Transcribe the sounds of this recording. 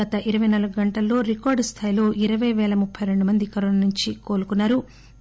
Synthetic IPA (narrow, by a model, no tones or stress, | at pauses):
ɐt̪ɐʔiɾɐʋɐjnaːluɡuɡɐɳʈɐlːo̞ːɾikɔːɾɖst̪ʰaːjilo̞ːʔiɾɐʋɐjʋɛːlɐmupʰːɐjɾe̞ɳɖumɐnd̪ikɐɾoːnaːnuɲt͡ʃiko̞ːlukunːaːɾu